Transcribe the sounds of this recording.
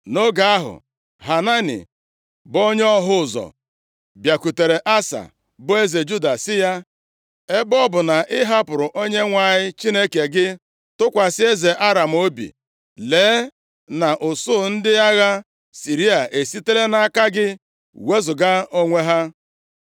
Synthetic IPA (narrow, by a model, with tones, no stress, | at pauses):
no˦ɡa˨a˦ɦʊ̰˨ | ɦa˨na˦nḭ˨ | bo˦ɲ˦ɔ˦ɦʊ˦˨zɔ̰˨ | bja˨ku˨te˨ɾe˨ʔa˦sa̰˨ | bʊ˦e˦ze˨d͡ʒu˦da˨sɪ˦ja˦ | e˦bɔ˦bʊ˨na˨ʔɪ˦ɦa˦pʊ˨ɾʊ˨ʔo˦ɲe˦ŋʷa˨ɲɪ˦t͡ʃi˦ne˦ke˨ɡɪ˦ | tʊ˦kʷa˨sɪ˦e˦ze˨ʔa˦ɾa˨m̩˨o˦bḭ˨ | leː˨˦ | na˨ʔʊ˨sʊː˦˨n̩˦dɪ˦a˦ɣa˦ | si˨ɾi˦a˨ʔe˨si˦te˦le˦na˨˦ka˦ɡɪ˦ | we˦zʊ˨ɡa˦o˦ŋʷe˦ɦa˦